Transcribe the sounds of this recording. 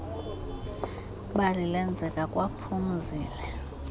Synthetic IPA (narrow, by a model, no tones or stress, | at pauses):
ɓalilɛnd͡zʱɛkʼakʼwapʰum̩ziːlɛ